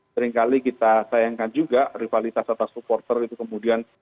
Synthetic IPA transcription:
səɾɪŋkalikit̪asajaŋkand͡ʒuɡarifalit̪asat̪asupɔrt̪ərit̪ukəmudian

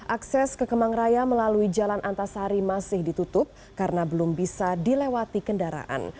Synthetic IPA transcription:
ʔaksɛskəkəmaŋrajaməlaluid͡ʒalanʔant̪asaɾimasɪhdit̪ut̪ʊp̚ | kaɾənabəlʊmbisadilewat̪ikəndaɾa̰ʔa̰n

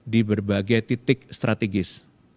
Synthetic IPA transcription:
dibərbaɡajt̪it̪ɪkst̪ɾʔat̪eɡɪs

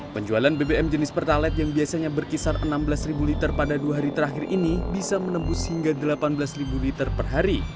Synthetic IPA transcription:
pəɲd͡ʒualanbebeɛmd͡ʒənɪspərt̪alɛt̪̚jaŋbiasaɲabərkisarənambəlasribulit̪ərpadaduaɦaɾit̪əɾaxɪrʔinibisamənəmbʊshiŋɡadəlapanbəlasribulit̪ərpərɦaɾi

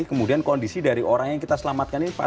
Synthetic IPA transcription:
kəmudiankɔndisidaɾiʔoɾaŋjaŋkit̪asəlamat̪̚kaninipa̰

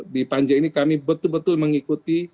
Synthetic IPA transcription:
dipaɲd͡ʒainikamibət̪ʊlbət̪ʊlməŋikut̪i

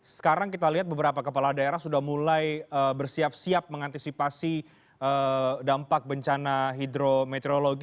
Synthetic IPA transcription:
sə̥kaɾaŋkit̪aliɦat̪̚bəbəɾapakəpalahdaeɾahsudahmulajəbərsiap̚siap̚məŋant̪isipasi | ʔədampak̚bəɲt͡ʃanaɦid̪ɾomet̪eɾoloɡi

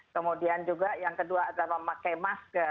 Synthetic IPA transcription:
kəmodiand͡ʒuɡajaŋkəduaːdaməmakajmaskə

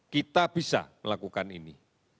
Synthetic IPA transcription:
kit̪ab̥isa̰məlakukanini

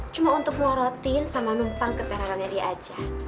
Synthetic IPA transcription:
t͡ʃumaunt̪ʊk̚mɔɾɔt̪insamanumpalkət̪ɛɾaɾanɲadiad͡ʒa

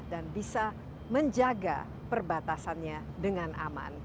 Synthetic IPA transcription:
danbisa | məɲd͡ʒaɡa̰ | pərbat̪asanɲa | dəŋanʔa̰ma̰n

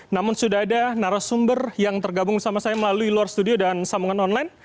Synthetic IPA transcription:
namʊnsudaɦadanaɾasumbərjaŋt̪ərɡabʊŋdəsamasajaməlaluiluarst̪udiodansamuŋanɔnlajn

